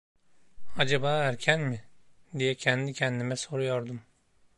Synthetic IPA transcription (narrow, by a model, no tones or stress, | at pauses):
ad͡ʒabaːæɾcʰænmid̪ijɛcʰɛnd̪icʰɛnd̪imɛso̞ɾujo̞ɾd̪um